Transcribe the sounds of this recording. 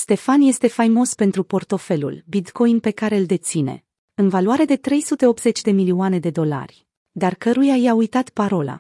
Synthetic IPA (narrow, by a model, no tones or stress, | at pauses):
st̪e̞fanje̞st̪e̞fajmo̞spe̞nt̪ɾupo̞rt̪o̞fe̞lṵlbit̪ko̞inpe̞kaɾeɨld̪e̞t̪sine̞̰ | ɨnvaluaɾe̞d̪e̞t̪ɾe̞jsut̪e̞o̞p̚t̪ze̞t͡ʃʲd̪e̞milioane̞d̪e̞d̪o̞la̰rʲ | d̪arkəɾujajaujt̪at̪paɾo̞la̰